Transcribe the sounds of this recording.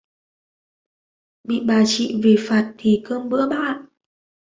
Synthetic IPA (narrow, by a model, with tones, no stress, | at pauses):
ɓḭ˧˨ɓaː˨˩t͡ɕḭ˧˨ve˨˩faː˨˩t̚t̪ʰi˨˩kəː˧mɓɨ̰˧˥əɓa̰ː˧˨n